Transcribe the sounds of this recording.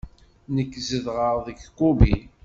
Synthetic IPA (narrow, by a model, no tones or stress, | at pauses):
nəkːzəðʁəʁðəɡkːubi